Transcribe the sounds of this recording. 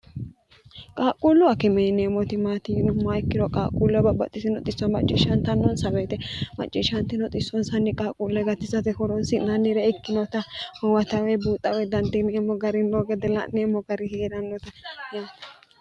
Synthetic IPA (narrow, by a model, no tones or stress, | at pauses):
kʼaːkʼuːlʊɐkɛmɛnemɔt̪ɪmaːt̪inmaɪkːɪdɔkʼa̰ːkʼulːɔbɐbɐ̰t̪ʼːɪsɪnɔt̪ʼɪsːɔmɐt͡ʃʼːɪʃɐnt̪ɐnːɔnsɐbeːt̪ɛmɐ̰t͡ʃʼːɪʃɐnt̪ɪnɔt̪ʼɪsːɔnsɐnːɪkʼaːkʼulːɛɡɐt̪ːɪsɐt̪ɛkɔɾɔnsɪnɐnːɪɾɛɪkːɪnɔt̪ɐwɐt̪ɐwɛbuːt̪ʼːɐwɛd̪ɐnd̪ɛnːmːɔɡɐɾɪnːɔɡɛd̪ɛlɐ̰nemːɔɡɐɾɪheːɾɐnːɔt̪ɐjaːt̪